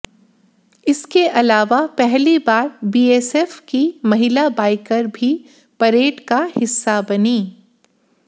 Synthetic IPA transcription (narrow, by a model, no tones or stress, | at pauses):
ɪskeʔɐlaːʋapɛɦlibaːɾbiːeːsɛːfkimɐɦɪlabaːɪkəɾbʱi | pɐɾeːʈkahɪsːabɐniː